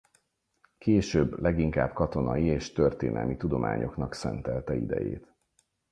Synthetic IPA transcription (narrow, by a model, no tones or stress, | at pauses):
keːʃøbːlɛɡiŋkaːbkɒt̪o̞nɒjieːʃt̪ø̞rt̪ḛːnɛ̰lmit̪ud̪o̞mʔa̰ːɲo̞knɒksɛnt̪ɛlt̪ɛḭd̪ɛ̰jḛːt̪